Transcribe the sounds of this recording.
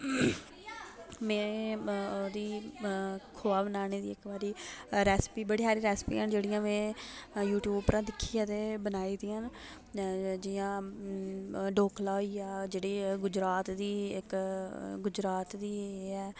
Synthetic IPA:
mɛ̃ː | d̪iː | kʰoːaːbənaːneːd̪ḭːɪkbaːɾiːɾɛːspiːbəɽiːsaːɾiːɾɛːspḭːaːnd͡ʒeːɽijãːmɛ̃ːjuːʈjuːbpɾãːd̪ɪkʰːiːãːt̪eːbənaːiːd̪iːãːn | d͡ʒɪjãː | ɖoːkʰlaːiːaːd͡ʒeːɽiːɡʊd͡ʒɾaːt̪d̪iːɪk | ɡʊd͡ʒɾaːt̪d̪iːɛː

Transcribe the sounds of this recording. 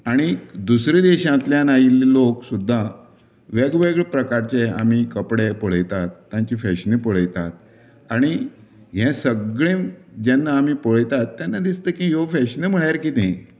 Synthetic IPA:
aɽ̃id̪usɾid̪eɕãt̪ljãnailloksud̪ʱːa | ʋeɡʋeɡɭpɾəkaɾt͡ɕea̰m̤ikəpɽepoɭ̤əjt̪at̪ːjãɲt͡ɕifɛɕnĩpəɭ̤əjt̪at̪̚ | aɽ̃i | ɦɛ̃səɡɭẽmd͡ʑanːaːm̤ipoɭjt̪at̪ːjanːad̪ist̪əkĩjofɛɕnem̤əɭjaɾkit̪ẽ

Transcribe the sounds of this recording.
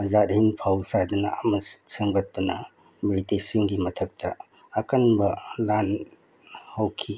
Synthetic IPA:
zatɦinpʰawsad̪unaːmɐsɯŋɡɐt̚dunɐ | militesiŋɡimɐtʰɐk̚tɐ | ɐkanbɐlan | hawkʰi

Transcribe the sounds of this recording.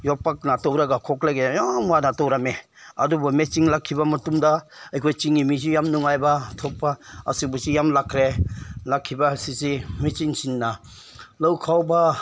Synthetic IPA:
jɔpːak̚natɔwɾaɡakʰɔklaɡejamwanatɔwɾame | ɐdubɔmet͡ʃiŋlakʰːibamɐtumdaɐjkʰojt͡ʃiŋimizijamnuŋajbatʰɔpːaɐ̰sibusijamlakʰɾelakʰːibasisimet͡ʃiŋsinːa | lɐwkʰawba

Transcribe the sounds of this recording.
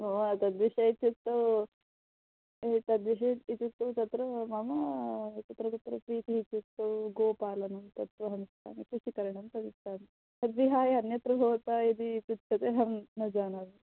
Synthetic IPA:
oɐt̪ɐd̪ʋiʃɐit̪jut̪ːo | t̪ɐd̪ʋiʃɐit̪ut̪ːɐt̪ɐt̪ɾɐmɐmɐt͡ʃɐt̪ɾɐt̪ɐt̪ɾɐpɾiːt̪iit̪jut̪ːoɡoːpaːlɐnɐnt̪ɐt̪ʋɐɦɐnst̪ʰa̰ːnɐkuʃikɐɾɐɳɐmt̪ɐd̪ist̪aːn | t̪ɐd̪ʋiɦaːjɐnjɐt̪ɾɐbʱoːt̪ajed̪it͡ʃit̪t͡ʃʰɐt̪eɦɐnnɐd͡ʒaːnɐɾɐ

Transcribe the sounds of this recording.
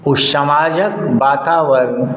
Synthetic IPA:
ʊʃɐmaːd͡ʒəkbaːt̪aːʋəɾ

